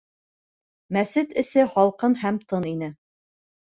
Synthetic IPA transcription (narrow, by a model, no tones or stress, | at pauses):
mæsɘt̪ɘ̆sɘhɑlˠqɤnhæmt̪ɤninɘ